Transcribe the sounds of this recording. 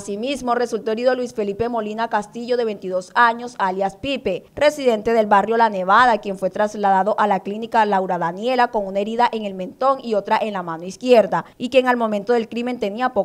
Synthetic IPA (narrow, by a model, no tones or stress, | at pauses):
simizmo̞re̞sult̪oeɾiðo̞lwisfe̞lipe̞mo̞linakast̪iʝo̞ðe̞βe̞nt̪iðo̞saɲo̞saljaspipe̞re̞siðe̞nt̪e̞ðe̞lbarjolane̞βaðakje̞ɱfwe̞t̪ɾazlaðaðo̞ʔalaklinikalawɾaðanje̞lako̞ŋunae̞ɾiðaʔe̞ŋe̞lmẽ̞nt̪o̞ŋio̞t̪ɾaʔe̞nlamanoiskje̞ɾðaikje̞ŋalmo̞mẽ̞nt̪o̞ðe̞lkɾime̞nt̪e̞niapo